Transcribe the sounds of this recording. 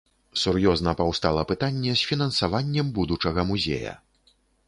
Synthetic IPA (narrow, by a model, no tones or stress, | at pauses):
surjɔznɐpawst̪alˠɐpɨt̪anʲːɛsʲfʲinɐnsavanʲːɛmbud̪ut͡ʂɐɣɐmuzʲḛjɐ̰